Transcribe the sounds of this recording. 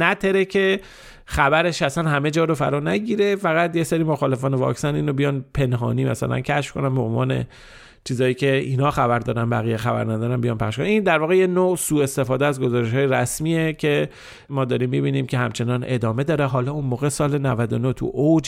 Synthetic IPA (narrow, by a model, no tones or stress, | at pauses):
næt̪ʰeɾecʰe̞ | xæbæɾe̞ʃæsænhæme̞d͡ʒɒːɾofæ̰ɾɒːnæɟiːɾe̞fæɣæt̪jeseɾiːmoxɒːle̞fɒːnevɒ̰ksæniːnɾobijɒːnpʰe̞nɦɒ̰ːniːmæ̰sæ̰læ̰ncʰæʃfkʰonænbeonvɒ̰ːne̞̰ | t͡ʃʰiːzɒːiːcʰe̞iːnhɒːxæbæɾd̪ɒːd̪ænbæ̰ɣiːjexæbæ̰ɾnæd̪ɒːɾænbijɒnpʰæχʃkonnind̪æɾvɒːɣejenosuːe̞st̪e̞fɒːd̪eæzɡo̞zɒːɾeʃhɒːjeɾæsmiːecʰe̞ | mɒːd̪ɒːɾiːmːibiːniːmcʰe̞hæmt͡ʃʰe̞nɒːne̞d̪ɒːme̞d̪ɒːɾeɦɒːlɒːunmoːɣe̞sɒːlenævæd̪onot̪ʰṵʔod͡ʒ